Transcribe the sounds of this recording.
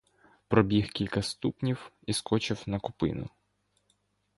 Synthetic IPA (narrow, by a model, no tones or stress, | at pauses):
pɾɔbʲixkʲilʲkɐst̪upnʲiw | iskɔt͡ʃɪwnɐkʊpɪ̰nʊ̰